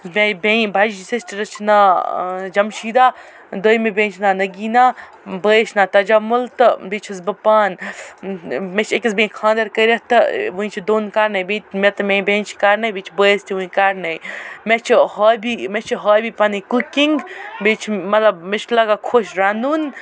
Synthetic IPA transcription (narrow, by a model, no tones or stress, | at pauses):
mebẽbad͡ʒd͡ʒisestiɾɐt͡ʃʰna | d͡ʒɐmʃiːd̪aː | d̪ojmebʲẽːt͡ʃʰnaːnɐɡiːnaː | bəʃnaːt̪ɐd͡ʒɐmult̪ɨbet͡ʃʰisbɨpaːn | met͡ʃʰekis̬bẽːkʰãːnd̪ɐɾkəɾʲɐt̪ɨʋuĩt͡ʃʰid̪oːnkaːɾnɐjbẽt̪mʲet̪mʲẽbʲẽːnt͡ʃʰkaːɾnɐbit͡ʃʰbəːjst̪ʰʲiʋuĩkaːɾnɐjmet͡ʃʰhoːjbimet͡ʃʰiɦoːjbiːpanɐjkukiŋɡbet͡ʃʰmɐt̪lɐbmet͡ʃʰlɐɡaːkʰoːʃɾaːnuːn